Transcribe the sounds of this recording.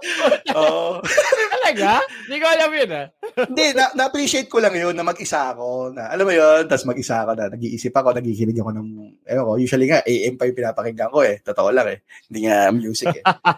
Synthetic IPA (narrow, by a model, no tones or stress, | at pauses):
ʔoʔoɐlɐɡa | d̪ikoɐlɐmjonahɪnd̪ɛnɐnɐʔɐpɾiʃɪejt̪̚kolɐŋjonːɐmɐɡʔɪsaʔɐko̞nɐʔɐlamːojo̞nt̪asmɐɡ̚ɪsaɐko̞nɐnɐɡiːʔiːsɪpːɐko̞nɐɡiːkɪnɪɡɐko̞nɐŋʔɐjoko̞juːʃɐliŋaʔɛjʔɛmpɐjʊŋpɪnaːpɐkɪŋɡɐŋko̞ɛt̪ot̪oʔolaŋɛhɪnd̪iːŋamjuːsɪkɛ